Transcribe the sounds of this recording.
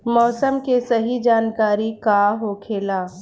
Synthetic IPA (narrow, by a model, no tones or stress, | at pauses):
mɔːsəmkesɐɦid͡ʒaːnkaːɾikaɦokʰeːlaː